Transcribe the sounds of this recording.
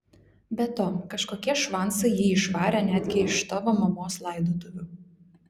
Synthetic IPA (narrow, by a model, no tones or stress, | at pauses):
bʲɛt̪oːkɐʃkoːkʲiɛʃʋɑnˑsɐɪjiɪʃʋɑːɾʲɛːnʲæːd̪ʲɡʲɪɪʃt̪oʋomɐmoːslˠɑˑɪd̪oːt̪ʊʋʲʊ